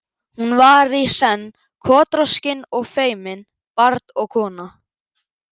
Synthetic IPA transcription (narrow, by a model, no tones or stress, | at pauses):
hunvaɾisɛnː | kʰɔːt̪ɾɔscɪnɔɣfeːjmɪn | paɾt̪ɔɣkʰɔːna